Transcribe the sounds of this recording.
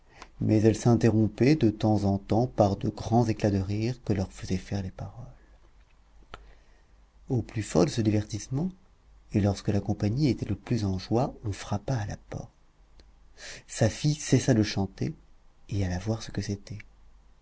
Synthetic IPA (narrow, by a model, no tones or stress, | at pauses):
mʔɛzɛlsɛ̃t̪eʁɔ̃pɛd̪ət̪ɑ̃zɑ̃t̪ɑ̃paʁd̪əɡʁɑ̃zeklad̪əʁiʁkəlœʁfəzɛfɛʁlepaʁɔl | oplyfɔ̰ʁd̪əsəd̪ivɛʁt̪ismɑ̃ | elɔʁskəlakɔ̃paɲiet̪ɛləplyzɑ̃ʒwaɔ̃fχapaːlapɔ̰ʁtt̪ | safijsesad̪əʃɑ̃t̪ḛealavwaʁsə̥kəset̪ɛ